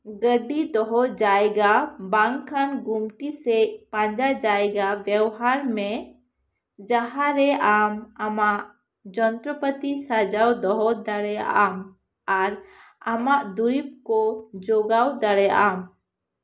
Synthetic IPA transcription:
ɡəɖid̪ɔɦɔd͡ʒajɡabaŋkʰanɡumʈisɛpãɲd͡ʒad͡ʒajɡabjɛwɦaɾmɛ | d͡ʒaɦaɾɛʔamamaʔ | d͡ʒɔnt̪ɾəpət̪isad͡ʒawd̪ɔɦɔd̪aɽɛja̰ʔam | aɾ | amaʔd̪uɾip̚kɔd͡ʒɔɡawd̪aɽɛja̰ʔam

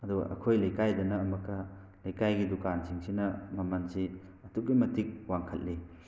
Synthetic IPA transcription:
ɐduɡɐ̰ʔɐ̰kʰojlɐjkajdɐnɐːmɐkːɐ | lɐjkajɡidukansiŋsinɐmɐmɐnsi | ɐtuk̚ːimɐtik̚waŋkʰɐt̚li

